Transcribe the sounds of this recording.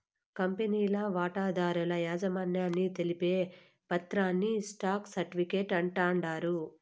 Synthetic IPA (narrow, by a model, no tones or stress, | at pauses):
kɐmpeniːlɐʋaːʈaːd̪aːɾulɐjaːd͡ʒɐmaːnjaːnːit̪e̞lipeː | pɐt̪ɾaːnːisʈaːksɐɾʈiʋikeʈɐɳʈaːɳɖaːɾu